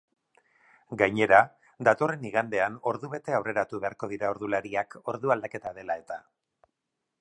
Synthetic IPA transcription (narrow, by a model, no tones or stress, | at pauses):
ɡajɲe̞ɾa | d̪at̪o̞re̞niɣ̞and̪e̞ano̞ɾðuβe̞t̪e̞awre̞ɾat̪uβe̞aɾko̞ðiɾao̞ɾðulaɾiako̞ɾðuald̪ake̞t̪aðe̞lae̞t̪a